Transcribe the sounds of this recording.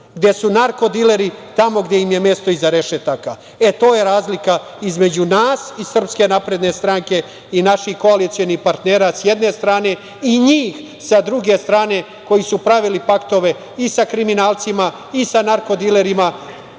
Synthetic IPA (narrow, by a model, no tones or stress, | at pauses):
ɡd̪je̞sunaɾko̞d̪ile̞ɾit̪amo̞ɡd̪jeimje̞me̞st̪o̞izaɾe̞ʃet̪aka | et̪o̞ːje̞ɾaːzlika | izme̞d͡ʑunaːsisr̩pske̞napɾe̞d̪ne̞st̪ɾaŋke̞ | inaʃixko̞alit̪sio̞nixpaɾt̪neːɾasjed̪ne̞st̪ɾaːne̞ | iɲiːx | sad̪ɾuɡe̞st̪ɾaːne̞ | ko̞jisupɾaʋilipakt̪o̞ʋe̞ | isakɾiminaːlˠt̪sima | isanaɾko̞d̪ile̞ɾima